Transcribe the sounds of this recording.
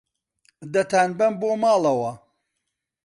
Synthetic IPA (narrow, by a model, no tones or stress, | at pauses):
d̪ɐt̪aːnbɐmboːmaːlɐwɐ